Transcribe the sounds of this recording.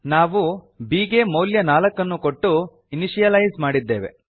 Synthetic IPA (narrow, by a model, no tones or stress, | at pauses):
naːʋu | biːɡemoːljɐnaːlɐkːɐnːuko̞ʈːu | iniʃijɐlɐjzmaːɽid̪ːeːʋe̞̰